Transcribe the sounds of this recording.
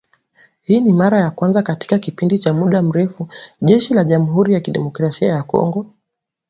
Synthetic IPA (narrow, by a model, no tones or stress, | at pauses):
hiːnimaɾajakwanzakati̥kakipindit͡ʃamuɗam̩ɾɛfuʄɛʃilaʄam̩ɦuɾijakiɗɛ̰mɔkɾasiajakɔ̰ŋɡɔ